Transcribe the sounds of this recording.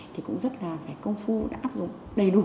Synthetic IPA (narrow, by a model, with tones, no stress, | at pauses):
t̪ʰi˨˩kʊ̰˧˥ŋ͡mzə˦˥t̚laː˨˩faː˧˩kə˧wŋ͡mfu˧ɗa̰ː˧˥ʔaː˦˥p̚zʊ˨˩ŋ͡m | ɗə˨˧˩jɗ